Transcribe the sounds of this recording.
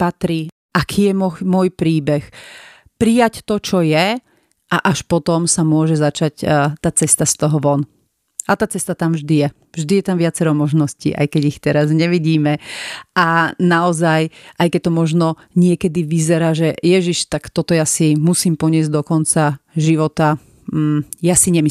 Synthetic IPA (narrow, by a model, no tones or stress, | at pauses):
pat̪ɾi | ʔakʰiːjɛmɔmʊɔjpɾiːbɛx | pɾijact̪ɔt͡ʃɔjɛ | ʔaʔaʃpɔt̪ɔmsamʊɔʒɛzat͡ʃact̪aːt͡sɛst̪ast̪ɔɦɔʋɔn | ʔat̪aːt͡sɛst̪at̪amvʒd̪ijɛ | vʒd̪ijɛt̪amʋɪat͡sɛɾɔmɔʒnɔscḭːʔa̰jkɛɟixt̪ɛɾazɲɛʋiɟiːmɛʔanaɔzajʔajkɛc̚t̪ɔmɔʒnɔ | ɲɪɛkɛd̪iʋizɛɾaːʒɛjɛʒiʃt̪akt̪ɔt̪ɔjasimusiːmpɔɲɪɛzɟd̪ɔkɔnt͡saʒiʋɔt̪a | jasiɲɛmi